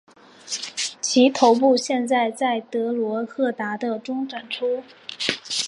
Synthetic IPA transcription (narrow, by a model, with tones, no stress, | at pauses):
t͡ɕʰi˧˥t̪ʰo˧˥ʊp̬u˥˧ɕjɛ˥˧nt͡sa˥˧ɪt͡sa˥˩ɪt̪ɤ˧˥lwɔ˧˥xɤ˥˩t̪a˧˥d̪ə˧ʈ͡ʂʊ˥ŋʈ͡ʂwa˨˩nʈ͡ʂʰu˥